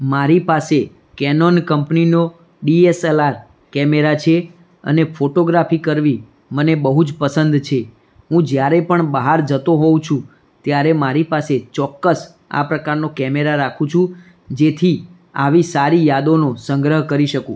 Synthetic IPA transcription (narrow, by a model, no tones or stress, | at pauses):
maɾipase | kɛnonkəmpnino | ɖieselaɾ | kɛmeɾat͡ʃʰe | ə̰nefʰoʈoɡɾafikəɾʋi | mənebəɦud͡ʒpəsənd̪t͡ʃʰe | ɦũd͡ʒjaɾepəɳbaɦaɾd͡ʒət̪oɦoũt͡ʃʰũ | t̪jaɾemaɾipaset͡ʃɔkːəs | a̰pɾəkaɾnokɛmeɾaɾakʰũt͡ʃʰũ | d͡ʒet̪ʰi | aʋisaɾijad̪onosəŋɡɾəɦkəɾiʃəkũ